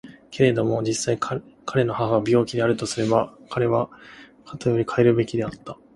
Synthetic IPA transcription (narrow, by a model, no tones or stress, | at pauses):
kʰe̞ɾe̞d̪o̞mo̞d͡ʑisːaikʰkʰaɾe̞no̞haɦaβabʲo̞ːkʲid̪e̞aɾɯ̟t̪o̞sɨɾe̞bakʰaɾe̞βakʰat̪ojo̞ɾʲikʰaeɾɯ̟be̞kʲid̪e̞at̪ːa